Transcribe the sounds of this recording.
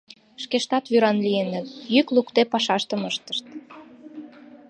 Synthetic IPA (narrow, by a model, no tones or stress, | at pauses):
ʃkeʃt̪ɑt̪βyɾɑnlienət̪jyklukt̪epɑʃɑʃt̪əməʃt̪ə̥ʃt̪̚